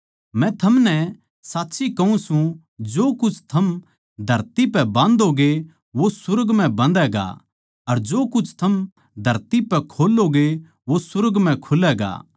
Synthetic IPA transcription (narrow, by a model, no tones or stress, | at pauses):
mɛ̃t̪ʰɐmnɛ | saːtːʃʰikɐũsũ | d͡ʒoːkʊt͡ʃʰt̪ʰɐm | d̪ʱɐɾt̪ipɛbãːnd̪oɡe | ʋosʊɾɡmɛ̃bɐ̃nd̪ɛɡa̰ | ɐɾd͡ʒoːkʊt͡ʃʰt̪ʰɐm | d̪ʱɐɾt̪ipɛkʰoːloɡe | ʋosʊɾɡmɛ̃kʰʊlɛɡa̰ː